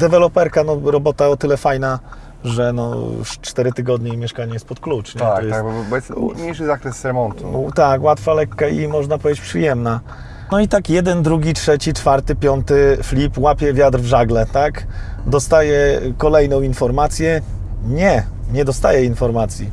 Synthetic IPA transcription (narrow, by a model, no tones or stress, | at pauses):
d̪ɛvɛlɔpɛɾkanɔɾɔbɔt̪aɔt̪ɘlɛfajna | ʐɛnɔ̰st͡ʂt̪ɛɾɘt̪ɘɡɔd̪ɲɛimʲjɛʂkaɲɛjɛst̪̚pɔt̪klut͡ʂɲɛat̪kɔjabbɛsɲejʂɘzakɾɛsːɾɛmɔnt̪ut̪akwat̪falɛkːaimɔʐnapɔvʲjed͡ʑet͡ɕpʂɘjɛmna | nɔit̪akjɛd̪ɛnd̪ɾuɡʲitʂɛt͡ɕit͡ʂfaɾt̪ɘpʲjɔnt̪ɘflʲipwapʲjɛvʲjad̪ɾvʐaɡlɛt̪akd̪ɔst̪ajɛkɔlɛjnɔ̃w̃infɔɾmat̪sʲjɛ | ɲɛ | ɲɛd̪ɔst̪ajɛinfɔɾmat̪sʲji